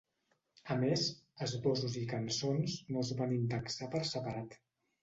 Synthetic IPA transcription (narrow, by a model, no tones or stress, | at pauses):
əmezəzβɔzuzikənsonsnozβanind̪əksapəɾsəpəɾat̪